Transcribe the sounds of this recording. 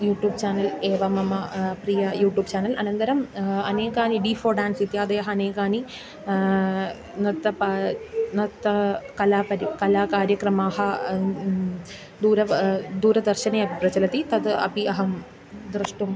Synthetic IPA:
juːʈjuːbt͡ɕaːnɐleːʋɐmɐmɐprijɐjuːʈjuːbt͡ɕaːnɐlɐnɐnt̪ɐɾɐmɐneːkaːniɖifoːɖaːnsit̪jaːd̪ɐjɐɦɐɐneːɡaːni | nɐt̪ːɐpɐnɐt̪ːɐkɐlaːpɐɾikɐlaːkaːɾjɐkrɐmaːɦɐ | d̪uːɾɐd̪uːɾɐd̪ɐrɕɐneɐbʱiprɐd͡ʑɐlɐt̪ːit̪ɐd̪ɨɐ̰biɐɦɐm | d̪rɨʂʈum

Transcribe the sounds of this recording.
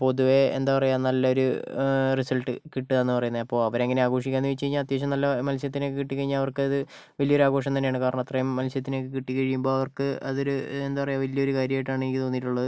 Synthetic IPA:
po̞ðuʋe̞ḛnd̪aːpɐrejaːnɐlːɐo̞ɾurisɐlʈːɨ̰kiʈːɨðenːɨpɐrɐjunːɐðɐpːo̞ːɐʋɐɾeŋːɐneaːɡo̞ːʂikʲːaːnːuʋit͡ɕːt͡ɕe̞jiɲːaːlɐt̪̬jeːt͡ɕ̬ːɐmnɐlːɐmɐlsjɐt̪ːinekːɨkiʈːikɐɻiɲːalɐʋɐrkɨɐðɨ | ʋɐlijɐo̞ɾuaːɡoːʂ̬ɐmt̪ɐnːejaːɳɨkaːrɐɳɐmɐt̪rɐjmːɐlsjɐt̪ːine̞ːkːɨkiʈːikːɐɻijumbo̞ːɐʋɐrkɨɐðo̞ɾuend̪aːpɐrɐjaʋɐlijɐo̞ɾukaːɾjɐmaːjʈːaːɳenikʲːit̪o̞ːnːiʈːuɭːɐðɨ

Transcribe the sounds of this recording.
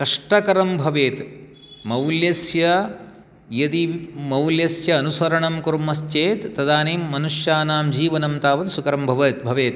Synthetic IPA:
kɐʂʈɐkɐɾɐmbʱɐʋeːt̪ | mɐwljɐsjɐ | jɐd̪imɐwljɐsjɐːnusɐɾɐɳɐmkuɾmːɐst͡ʃeːt̪ːɐd̪aːniːmːɐnuʂjaːnaːmd͡ʒiːʋɐnɐmt̪aːʋɐt̪sukɐɾɐmbʱɐʋɐt̪̚bʱɐʋeːt̪

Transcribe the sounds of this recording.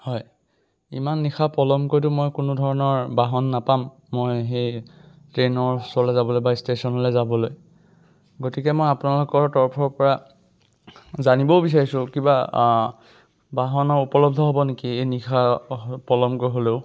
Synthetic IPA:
hɔj | ḭmanːixapɔlɔmkoɹjt̬ʊmojkʊnʊdʱɔɹɔnɔɹbaɦɔnːapamː | ojxe | tɹenɔɹslɛzabɔlojbaistesɔnɦɔlɛzabɔloj | ɡotikɛmojapunalokɔɹtɔɹpʰɔɹpɔɹa | zanibɔbis̬aɹisʊ̃kiba | baɦɔnɔɹupɔlɔb̚dʱɔɦobɔnekiejnixʰapɔlɔmkojɦoleʊ

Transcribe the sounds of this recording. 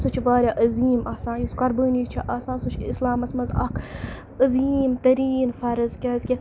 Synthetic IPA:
sut͡ʃʰʋaːɾʲjaʔɐziːmaːsãːjuskɐɾbɨːniːt͡ʃʰiʔaːsãːnsut͡ʃʰislaːmɐsmɐzɐ̰k | ɐziːmt̪ɐɾiːnfɐɾɨzkʲɐːzʲkʲi

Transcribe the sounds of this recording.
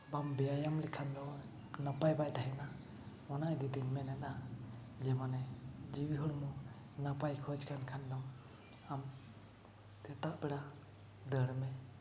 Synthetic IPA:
bambɛajamlɛkʰand̪ɔ | napajbajt̪aɦɛna | ɔnajd̪ɛd̪iɲmɛnɛna | d͡ʒɛmanɛd͡ʒiwiɦɔɽmu | napajkʰɔd͡ʒkʰankʰand̪ɔ | am | t̪ɛt̪aʔbɛɽa | d̪əɽmɛ

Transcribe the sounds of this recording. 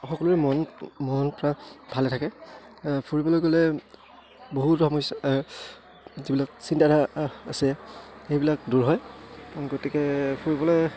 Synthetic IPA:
xɔkɔluɹɛmɔnmɔnpɔɹabʱalɛtʰakɛ | pʰuɹibɔlojɡolɛ | boɦutxɔmɔjsa | zibilak̚sintaɾaasiɛxejbilak̚duɹɦɔjɡotikɛpʰuɹibɔlɔj

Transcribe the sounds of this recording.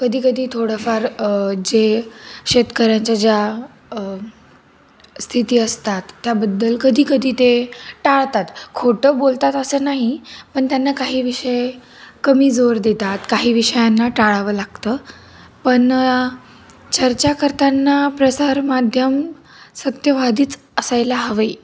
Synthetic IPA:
kəd̪ʱiːkəd̪ʱiːt̪ʰoɽəfaɾd͡ʑeɕet̪kəɾjãɲt͡ɕad͡ʑja | st̪ʰit̪iːəst̪at̪ːjabəd̪ːəlkəd̪ʱiːkəd̪ʱiːt̪eʈaɭt̪at̪kʰoʈəːbolt̪at̪əsəːnaɦipəɳt̪janːakaɦiːʋiʂəj | kəmiːd͡zoɾd̪et̪at̪kaɦiːʋiɕəjanːaʈaɭaʋəːlaɡt̪əː | pəɳ | t͡ɕəɾt͡ɕakəɾt̪anːapɾəsaɾmad̪ʱjəm | sət̪jəʋad̪ʱiːt͡s | əsajlaɦəʋəi

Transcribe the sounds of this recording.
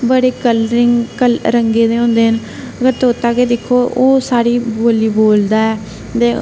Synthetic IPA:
bəɽeːkəlɾɪŋkəlɾəŋɡeːd̪eːɦõːnd̪eːɦən | əɡəɾt̪oːʊt̪ːaːkeːd̪ɪkʰːoːʔoːsaːɾiːboːliːboːld̪aːɛː | t̪eː

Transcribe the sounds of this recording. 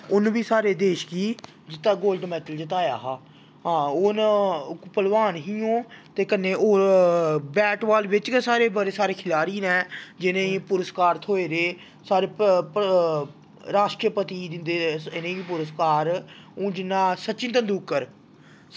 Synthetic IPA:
ʊñːʋiːsaːɾeːd̪eːʃɡiː | d͡ʒɪt̪ːaːɡoːlɖmɛːʈəld͡ʒɪt̪aːjaːɦaː | ɦãːon | pəlʋaːnɦiːõːt̪eːkənːeːʔoː | bɛːʈʋaːlʋɪt͡ʃksaːɾeːbəɾeːsaːɾeːkʰɪlaːɾiːnɛ̃ːd͡ʒɪnẽːipʊɾəskaːɾt̪ʰoːeːɾeː | saːɾeː | ɾaːʃʈɾəpət̪iːd̪ɪnd̪eɪnẽːiːpʊɾəskaːɾõːd͡ʒɪnːãːsətːt͡ʃɪ̃nt̪ənd̪uːkːəɾ

